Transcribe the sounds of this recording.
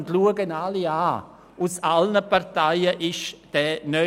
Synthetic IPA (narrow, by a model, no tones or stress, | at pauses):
ntluəɡənaliaː | usalnəpaʁtaɪəʔɪʃd̥ɛːnœ